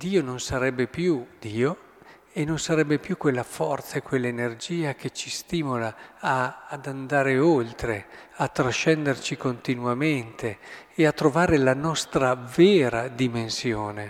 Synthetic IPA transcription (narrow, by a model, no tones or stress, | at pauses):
d̪iːononsaɾɛbːepjud̪̥iːo | enːonsaɾɛbːepjukwelːafɔrt̪saekwelːaenerd͡ʒiːak̟et͡ʃist̪iːmolaː | d̪and̪aːɾeolt̪ɾeat̪ːɾaʃːɛnd̪ert͡ʃikont̪inwamɛnt̪ʰeː | at̪ːɾovaːɾelanɔst̪ɾavɛːɾad̪imensjoːne